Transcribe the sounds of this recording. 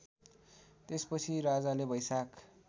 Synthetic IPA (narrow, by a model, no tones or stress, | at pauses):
t̪espʌt͡sʰiɾad͡zalebʌjsak